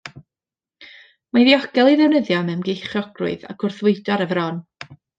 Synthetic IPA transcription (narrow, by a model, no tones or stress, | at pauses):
maðiɔɡ̥ɛlˠiðɛwnəðjɔmɛwnɡejχjɔɡrʊ̰ɨða̰ɡ̥ʊrθvʊɨdɔɾəvɾɔn